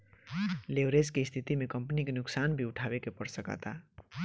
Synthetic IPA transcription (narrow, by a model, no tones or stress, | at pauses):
lewɾed͡zkeist̪ʰit̪imekʌmpnikenʊksanbʱiuʈʰabekepʌɾsʌkʌ̰t̪a